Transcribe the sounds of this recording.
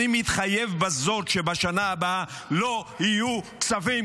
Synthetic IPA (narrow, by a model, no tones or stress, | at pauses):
imit̪χajevbazo̞tʃebaʃanaːba | lohijukt͡savij